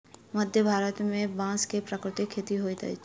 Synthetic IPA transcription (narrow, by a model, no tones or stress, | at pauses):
məd̪ʱjəbʱaːɾət̪mẽbãːskepɾəkɾɪt̪ɪkʰːeːt̪iɦoːit̪ɐ̰i